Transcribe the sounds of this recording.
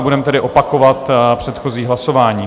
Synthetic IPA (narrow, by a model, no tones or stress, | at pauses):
budɛmt̪ɛdɪʔopakovat̪pr̝̥ɛt̪xo̞ziːɦlaso̞vaːɲiː